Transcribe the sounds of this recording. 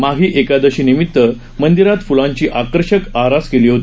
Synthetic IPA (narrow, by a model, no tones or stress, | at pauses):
maɡʱiːʔekad̪əɕiːnimit̪ːə | mənd̪iɾat̪fulãɲt͡ɕiːʔakəɾɕəkaɾaskeliːɦot̪ː